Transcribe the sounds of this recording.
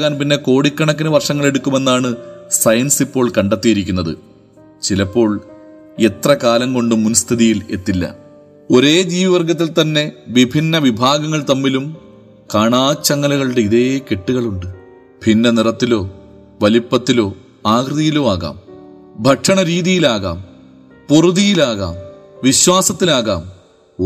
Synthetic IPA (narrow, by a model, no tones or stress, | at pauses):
ɣaːnpinːe̞ko̞ːɽikːɐɳɐkːinɨʋɐrʂɐŋːɐɭe̞ɽukːume̞nːaːɳɨsɐjɐnsipːo̞ːɭkɐɳɖet̪ːijiɾik̬ʲːunːɐðɨ̰ | t͡ɕilɐpːo̞ːɭ | e̞t̪rɐkaːlɐŋko̞ɳɖumːunɐst̪ʰiðijile̞̰t̪ːilːɐ̰ | o̞ɾe̞ːd͡ʑiːʋiʋɐrɡɐt̪ːilt̪ɐnːe̞ʋibʱinːɐʋibʱaːɡɐŋːɐɭt̪ɐmːilum | kaːɳaːt͡ɕːɐŋːɐlɐɣɐɭɨɽeiðekeʈːuɣɐɭuɳɖɨ | b̥ʱinːɐnirɐt̪ːilo̞ː | ʋɐlipːɐt̪ːilo̞ː | aːɡrɨðijiloːaːɣa̰ːm | bʱɐʈʂɐɳɐɾiːðijilaːɣa̰ːm | poruðijilaːɣa̰ːmʋiɕwaːsɐt̪ːilaːɣa̰ːm